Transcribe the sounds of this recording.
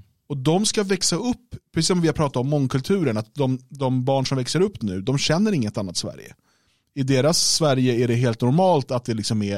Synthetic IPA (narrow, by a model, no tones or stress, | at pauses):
ɔd̪ɔmskavɛksaɵpːpʰːɾɛsiːsɔmvɪhaɾpʰɾɑːt̪at̪ɔmːɔŋːkʰɵlt̪ʰʉ̟ːɾəɳat̪̚d̪ɔmd̪ɔmbɑːɳʂɔmvɛksəɾɵpːnʉ̟ːd̪ɔmɕɛnːəɾɪŋːət̪anːat̪svæ̰ɾjə̰ | ɪd̪eːɾasːvæɾjəæɖɛɦeːlt̪nʊɾmɑːlt̪at̪̚d̪ɛlɪksɔmæ